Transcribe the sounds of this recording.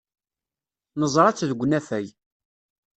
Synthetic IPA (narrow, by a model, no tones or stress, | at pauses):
nəzˤɾˤɑt͡sːðəɡʷnæfæj